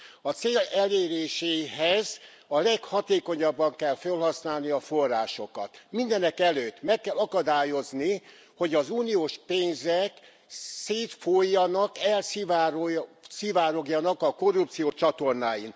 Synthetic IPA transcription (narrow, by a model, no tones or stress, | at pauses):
ɒt̪seːlɛleːɾeːʃeːɦɛz | ɒlɛkhɒt̪eːko̞ɲɒbːɒŋkɛlfølhɒsnaːlniɒfo̞rːaːʃo̞kɒ̰t̪mind̪ɛnɛkɛløːt̪ːmɛkːɛlɒkɒd̪aːjo̞zni | ho̞ɟɒzuːnijoːʃpeːnzɛk | seːt̪fojːɒnɒkɛlsivaɾosivaːɾo̞ɡjɒnɒkɒko̞rːupt̪sijoːt͡ʃɒt̪o̞rnaːjin